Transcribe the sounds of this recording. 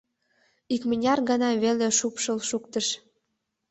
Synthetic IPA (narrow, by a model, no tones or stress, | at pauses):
ikmənʲɑrɣɑnɑβeleʃupʃəlʃukt̪ə̆ʃ